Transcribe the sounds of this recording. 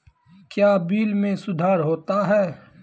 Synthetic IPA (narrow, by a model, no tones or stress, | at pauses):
kjaːbiːlmẽsʊd̪ʱaːɾɦoːt̪aɦɛː